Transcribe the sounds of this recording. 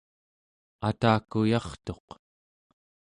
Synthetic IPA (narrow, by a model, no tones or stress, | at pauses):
at̪aːkujɑχt̪o̞q